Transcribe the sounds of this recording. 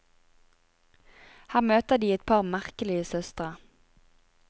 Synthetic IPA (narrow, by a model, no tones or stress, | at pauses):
hæːʁmøːt̪əd̪iːɛt̪̚pʰɑʁmæʁkəlɪəsœst̪ʁə